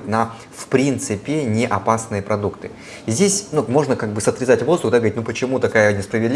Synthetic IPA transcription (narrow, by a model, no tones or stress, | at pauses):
t̪ʲnɐ | fpɾʲint̪sɨpʲɪnʲɪʔɐpasnɨjəpɾʔɐd̪ukt̪ɨ | zʲdʲesʲnumo̞ʐnəkaɡ̚bɨsət̪ɾʲɪzatʲvo̞zd̪ʊxd̪aɡəvɾʲitnupət͡ɕɪmut̪ɐkajənʲɪspɾəvʲɪd̪lʲ